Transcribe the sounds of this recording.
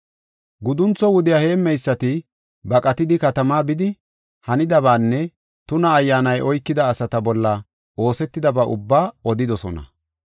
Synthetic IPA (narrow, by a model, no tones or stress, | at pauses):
ɡʊd̪ʊnt͡sːɔwʊd̪ɪjahe̞ːmːɛjsːɐt̪ɪ | bɐkʼɐt̪ɪd̪ɪkɐt̪ɐmaːbɪd̪ɪ | hɐnɪd̪ɐβaːnːɛ | t̪ʊnɐːjːaːnɐjʔɔjkːɪd̪ɐːsɐt̪ɐbɔlːɐ | o̞ːsɛt̪ːɪd̪ɐbaːʔʊbːaːɔd̪ɪd̪ɔsɔnɐ̰